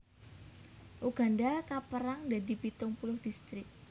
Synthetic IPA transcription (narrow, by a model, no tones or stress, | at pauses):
ʔuɡ̥a̤ndakapəɾaŋdad̪i̤pit̪ʊŋpulʊhd̪̥ist̪ɾɪk̚